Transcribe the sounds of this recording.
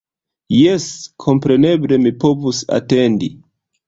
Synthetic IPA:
jeskʰo̞mpɾe̞ne̞ble̞mipo̞vusa̰te̞ndi

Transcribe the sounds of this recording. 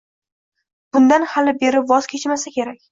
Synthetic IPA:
b̥ʊnd̪anhalɪbe̞ɾɪpvɒz̥kʲʰe̞t͡ʃmasakʲʰe̞ɾakʲ

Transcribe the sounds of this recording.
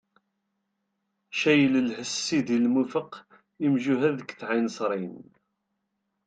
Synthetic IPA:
ʃæjələlħəsːiðilmufəq | imʒuɦæðəkːθʕinsˤɾˤin

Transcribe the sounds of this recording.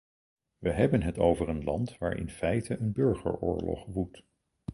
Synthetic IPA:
ʋəɦɛbənɦətowvərənlɑntʋa̰ːɹɪ̰nfɛjtʰəʔənbɵɹχə̰ɹʊ̰ːɹlɔ̰χʋut

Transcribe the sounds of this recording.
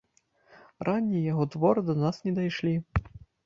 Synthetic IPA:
rʔanʲːijaɣɔt̪vɔɾɨd̪ɐnasnʲɛd̪ajʂlʲi

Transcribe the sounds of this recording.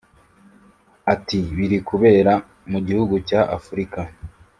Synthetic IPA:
atiβiɾikuβe̞ːɾa | muɟihuɡucaʔafuɾika

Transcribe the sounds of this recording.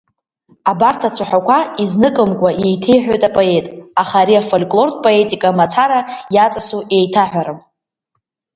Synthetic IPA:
abartʰat͡sʷʰaħʷᶣakʷʰaiznɨkʼɨmkʷʼaje̞jtʰe̞jħᶣojtʼapʼo̞e̞tʼaχaɾiafolkʼlo̞rdʼpʼo̞e̞tʼikʼamat͡sʰaɾajat͡sʼasuje̞jtʰaħʷᶣaɾɨm

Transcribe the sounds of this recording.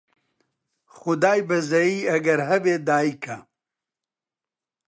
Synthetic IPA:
xʊd̪aːjbɐzɐjiːɐɡɐɾɦɐbeːd̪aːikʰɐ

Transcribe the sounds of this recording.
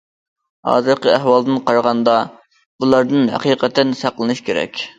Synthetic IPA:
hɑ̰ːzɨɾqəæhwɑlˠd̪ɨnqʰɑɾʁɑnd̪ɑ | b̥ulˠɑɾd̪ɨnɦæ̰qiːqʰɛt̪ʰːɛnsæqlˠɨnɨʃkʲeɾɛ̰kʲ

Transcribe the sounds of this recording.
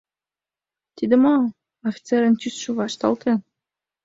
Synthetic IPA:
t̪id̪ə̆mo | ofʲi̥t͡seɾə̆nt̪ysʃuvɑʃt̪ɑ̰lˠt̪ʰen

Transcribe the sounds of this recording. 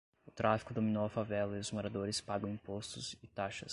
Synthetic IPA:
ʊt̪ɾafi̥kʊd̪ominowɐfavɛlɐɪʊzmoɾad̪oɾɪspaɡɐ̃w̃ĩpost̪ʊzɪt̪aʃɐs

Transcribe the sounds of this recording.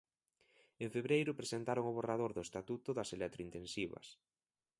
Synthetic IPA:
eɱfeβɾejɾʊpɾesent̪aɾoŋʊβ̞oraðoɾðʊest̪at̪ut̪ʊðɐselɛt̪ɾoint̪ensiβɐ̰s

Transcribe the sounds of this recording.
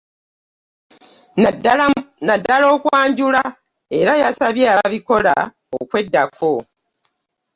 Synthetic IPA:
nadːalo̞ːkwaːɲɟula | e̞ɾajasaβjeaβiko̞la̰ | o̰kwe̞dːakʰo̞

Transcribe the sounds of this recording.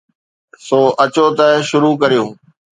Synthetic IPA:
soːʔɐt͡ɕoːt̪əʃʊɾuːkɐɾijõː

